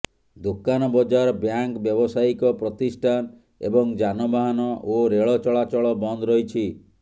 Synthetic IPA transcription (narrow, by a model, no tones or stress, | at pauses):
d̪okanɔbɔd͡ʒaɾbjaŋkbjɔbɔsaikɔpɾɔt̪isʈʰan | ḛbɔŋd͡ʒanɔbaɦanɔʔoɾeɭɔt͡ʃɔɭat͡ʃɔɭɔbɔnd̪ɔɾɔɦit͡ʃʰi